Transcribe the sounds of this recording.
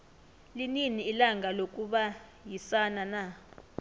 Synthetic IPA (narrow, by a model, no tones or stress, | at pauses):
lininiːlaŋɡʱalok̬ʼuɓajisanana